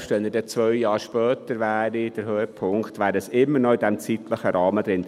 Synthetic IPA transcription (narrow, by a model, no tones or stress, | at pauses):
ʃtʋɛnədɛt͡sʋœʏjɑːɾʃpœːt̪əɾvæːɾid̥əɾɦøːəpʰʊŋkt̪ʋæːɾəsɪmːəɾnɔɪdɛmt͡sit̪ləχəɾɑːməd̪ɾɪn